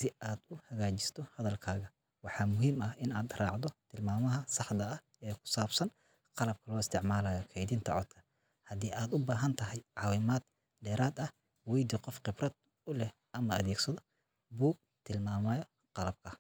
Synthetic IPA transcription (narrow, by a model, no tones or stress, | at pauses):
sɪaːd̪ʊhɐɣaːt͡ʃɪ̥st̪ʰɔhɐðɐlkʰaːɣɐ | wɑħɑːmʊɦiːmɐhɪnaːd̪rɑːʕd̪ɔt̪ʰɪlmaːmɐɦɐsɑħd̪ɐɐh | ɛkʰʊ̥saːbsɐn | qɑlɐb̚kʰɐlɔːɪst̪ʰɪʕmaːlaːjɔkʰɛjd̪int̪ʰɐʕɔd̪kʰɐ̥ | hɐd̪iːʔaːd̪ʊbaːɦɐnt̪ʰɐɦɛjʕɑːwɪmaːd̪ | dɛːɾaːd̪ɐh | wɛjd̪iqɔfqɪbrɐd̪̚ | ʊlɛh | ʔɐmɐɐ̰ðɛːɡsɐðɔ | buːɡ̚t̪ʰɪlmaːmɐːjɔ | qɑlɐb̚kʰɐ